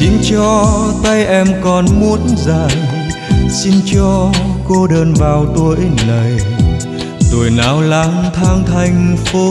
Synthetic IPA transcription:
t͡ɕi˨˦ŋ̟t͡ɕɔ˧t̪ə˧jʔɛ˧˩mkɔ˨˩nmu˧˦ənzaː˨˩j | si˧nt͡ɕɔ˧ko˧ɗəː˧˩nvaː˨˩wt̪o˧jnə˨˩j | t̪o˨˧˩jnaː˨˦wla˨˦ŋt̪ʰaː˧ŋt̪ʰa˧˩jŋ̟fo˧˦

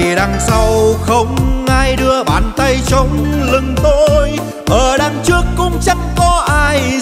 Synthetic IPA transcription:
ɗa˧˩ŋsa˧wxə˧wŋ͡mʔaː˧jɗɨ˧əɓa̰ː˧˨˩nt̪ə˧jt͡ɕə˧wŋ͡mlɨ˨˧˩ŋt̪o˧j | ʔəː˨˩ɗaː˧ŋt͡ɕɨ˦˥əkːʊ̰˧˥ŋ͡mt͡ɕa˧˦˥ŋkɔ˨˦ʔaː˧j

